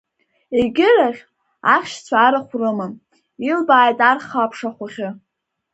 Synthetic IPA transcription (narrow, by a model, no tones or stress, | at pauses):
eɡʲɪraχʲ | a̰χʲʃt͡sʷʰaːɾaχʷrɨmɨ | ilbaːjtʼarχapʰʂaχʷʊχʲɪ